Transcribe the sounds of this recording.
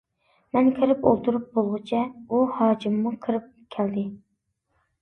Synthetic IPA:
mɛnkʲʰɪɾɪpo̰lˠt̪ʰuɾup̚bolˠʁɨt͡ʃʰɛuhɑːd͡ʒimːukʰɨɾɨp̚kʲʰɛld̪ɪ

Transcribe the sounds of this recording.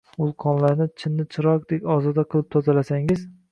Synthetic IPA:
ʊlˠqʰɒnlaɾnɪt͡ʃʰɪnːɪt͡ʃʰɪɾɒq̚d̪ekʲɒzɒd̪aqʰɨlˠɪp̚t̪ʰɒzalasaŋɪz

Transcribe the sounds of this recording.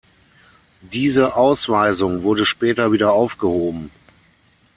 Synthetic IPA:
d̥iːzəʔaʊsv̥aɪzʊŋvʊɐdəʃpɛːtɐviːdɐaʊfɡ̥əhoːbm̩

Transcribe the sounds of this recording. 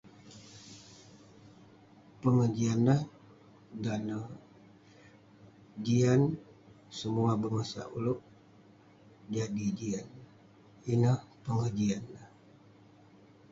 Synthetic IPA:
pəŋəd͡ʒianːah | danə | d͡ʒian | səmuabəmasa̰ʔṵlʊʔ | d͡ʒadid͡ʒian | inəhpəŋəd͡ʒianːəh

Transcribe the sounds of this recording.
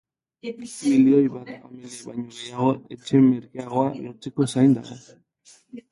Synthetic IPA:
βilio̞jβat̪ameliβajɲoβejaɣ̞o̞e̞t͡ʃe̞meɾkeaɣ̞o̞aloɾt͡seko̞sajnd̪a̰ɣo̞̰

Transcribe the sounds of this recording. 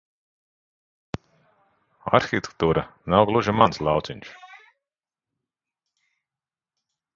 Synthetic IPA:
a̰ɾxit̪ʲe̥k̚t̪uːɾanawɡlˠuʒimanslˠɑwt̪siɲʲʃ

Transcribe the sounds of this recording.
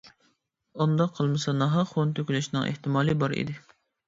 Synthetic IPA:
und̪ɑqʰːəlˠmɨsɑnɑɦɑχont̪ʰøkʲylɛʃnɨŋʔḛht̪ɪmɑːlˠɨbɑɾḭd̪ɪ

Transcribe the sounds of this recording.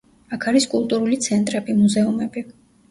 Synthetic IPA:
akʰaɾiskʼulˠt̪ʼuɾulit̪sʰɛnt̪ʼɾɛbimuzɛumɛbi

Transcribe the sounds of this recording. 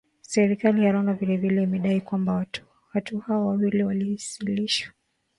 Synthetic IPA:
sɛɾikalijaɾɔnavilɛvilɛimɛɗaikwamba | watuhaɔwawiliwaliisiliʃwḁ

